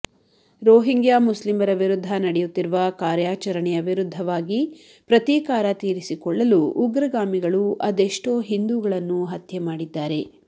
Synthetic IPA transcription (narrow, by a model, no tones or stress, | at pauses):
ɾoːɦiŋɡjaːmuslimɐɾɐʋiɾud̪ʱːɐnɐɽɛjut̪ːiɾuʋɐkaːɾjaːt͡ʃɐɾɐɳɛjɐʋiɾud̪ʱːɐʋaːɡi | pɾɐt̪iːkaːɾɐt̪iːɾisikɔɭːɐluʔːɡɾɐɡaːmiɡɐɭuʔɐd̪e̞ʂʈoːɦind̪uɡɐɭɐnːuɦɐt̪jɐmaːɽid̪ːaːɾe̞